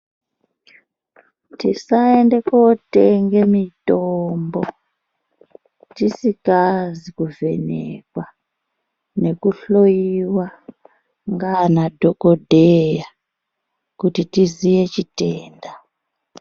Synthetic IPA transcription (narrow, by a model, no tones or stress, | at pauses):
tisaendekoteŋɡemitombo | tisikazikuve̞̰nḛkwa | ne̞kuɬojiwa | ŋɡanadʱokodʱeja | kutitizije̞t͡ʃiteːnda